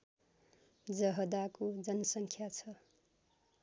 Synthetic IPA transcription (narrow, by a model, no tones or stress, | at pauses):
d͡zʌɦʌd̪akod͡zʌnʌsʌŋkʰjat͡sʰʌ